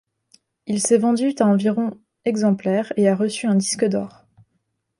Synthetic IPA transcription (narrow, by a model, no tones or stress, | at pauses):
ilsɛvɑ̃d̪yt̪aɑ̃viʁɔ̃ | ɛɡzɑ̃plɛʁeaʁəsyɛ̃d̪iskəd̪ɔːʁ